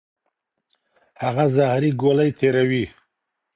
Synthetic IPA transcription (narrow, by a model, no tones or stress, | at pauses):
haɣazahɾiɡolajt̪ʰeɾawi